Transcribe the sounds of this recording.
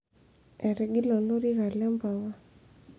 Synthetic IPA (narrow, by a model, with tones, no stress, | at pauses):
ɛ˨ɾɛ˨ɡi˦lɔ˨no˦ɾi˦ɣa˨lɛ˦mba˨wa˦